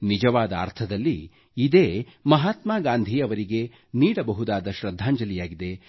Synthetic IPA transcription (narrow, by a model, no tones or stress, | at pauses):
nid͡ʒɐʋaːd̪ɐ̰ɾt̪ʰɐd̪ɐlːi | id̪eːmɐɦaːt̪maːɡaːnd̪ʱiɐʋɐɾiɡe̞ | niːɽɐbɐɦud̪aːd̪ɐʃɾɐd̪ʱːaːɲd͡ʒɐlijaːɡid̪e̞